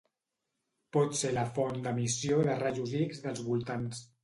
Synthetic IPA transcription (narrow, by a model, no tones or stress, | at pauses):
pɔt̪seləfɔnd̪əmisioðəraʒuziɡzðəlˠzβulˠt̪ans